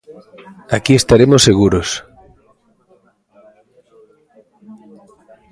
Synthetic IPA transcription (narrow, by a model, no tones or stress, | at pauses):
akiest̪aɾemosːeɣ̞uɾos